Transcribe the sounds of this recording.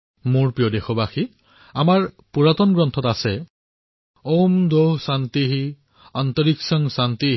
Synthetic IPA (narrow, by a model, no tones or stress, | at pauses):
mʊɹpɹijɔdexɔbaxi | amaɹ | puɹatɔnɡɹɔntʰɔtasɛ | owmdoɦsant̪iɦi | ant̪ɔɹiksɔŋsant̪i